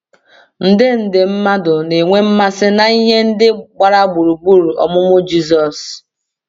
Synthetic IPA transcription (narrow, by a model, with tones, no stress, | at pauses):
n̩˦dɪ˦n̩˨dɪ˨m̩˦ma˦dʊ˨ne˨ŋʷe˦m̩˦ma˦sɪ˦na˨i˦ɦe˦n̩˦dɪ˦ɡ͡ba˨ɾa˦ɡ͡bu˨ɾu˨ɡ͡bu˦ɾu˨ɔ̰˨mʊ˦mʊ˦d͡ʒi˦zɔ˨s